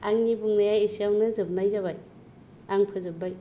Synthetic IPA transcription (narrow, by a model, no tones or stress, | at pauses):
aŋnibuŋnajajesiawnɯzɯb̚najzaβaj | aŋpʰɯzɯbːaj